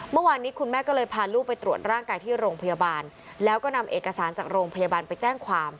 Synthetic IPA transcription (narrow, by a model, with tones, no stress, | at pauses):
mɯ˥˩waː˧nːiː˦˥kʰu˧nmɛː˥˩kɔː˥˩lɤː˧jpʰaː˧luː˥˩pa˧jt̪ɾu˨˩ət̪̚ɾaː˥˩ŋkaː˧jt̪ʰiː˥˩ɾoː˧ŋpʰa˧ja˧baː˧n | lɛː˦˥wkɔː˥˩na˧mʔeː˨˩kːa˧saː˩˦nt͡ɕaː˨˩k̚ɾoː˧ŋpʰa˧ja˧baː˧npa˧jt͡ɕɛː˥˩ŋkʰwaː˧m